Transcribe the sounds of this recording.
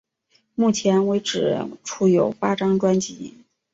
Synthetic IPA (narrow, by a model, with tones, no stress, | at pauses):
mu˥˩t͡ɕʰjɛ˧˥nwe˧˥ɪʈ͡ʂɻ̩˨˩ʈ͡ʂʰu˧˥jo˨˩ʊpa˥ʈ͡ʂɑ˥ŋʈ͡ʂwa˥nt͡ɕi˧˥